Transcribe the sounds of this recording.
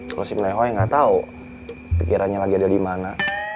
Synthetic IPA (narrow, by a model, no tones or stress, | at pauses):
kosimnajɦoɛŋɡat̪au | pikiɾanɲalaɡiadadimana